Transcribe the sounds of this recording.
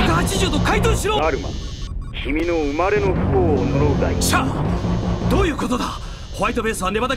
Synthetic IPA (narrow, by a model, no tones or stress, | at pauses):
k̪ahat͡ɕiʑɨːt̪o̞kait̪oːɕiɾoːɾɯ̟ma̰ | kʲʰimʲinoɯmaɾe̞no̞ɸɯ̟̥koːnoɾoɯd̪a̰iɕa | d̪o̞ːjɯ̟ːko̞t̪o̞d̪a | hoβait̪o̞be̞ːsɨβanːe̞mat̪a